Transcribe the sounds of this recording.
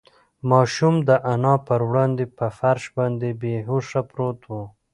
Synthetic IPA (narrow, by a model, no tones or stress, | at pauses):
mɑʃumd̪əʔanɑpəɾwɽɑnd̪epəfaɾʃbɑnd̪ebeɦoʂapɾot̪wu